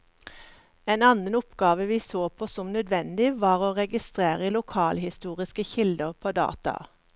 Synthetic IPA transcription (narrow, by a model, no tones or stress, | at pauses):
eːnɑnənʊpɡɑːʋəʋiːsoːpʰoːsɔmnœd̪ʋɛnd̪ɪʋɑːʁoːʁɛɡɪst̪ʁeːʁəlʊkʰɑːlhɪst̪uːʁɪskəçɪld̪əʁpʰoːd̪ɑ̰ːt̪ɑ̰